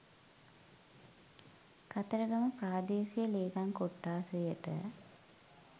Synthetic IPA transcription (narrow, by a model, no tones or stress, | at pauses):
kat̪əɾəɡɐməpɾaːd̪eːsijəleːkaŋkoʈːaːsujəʈə̰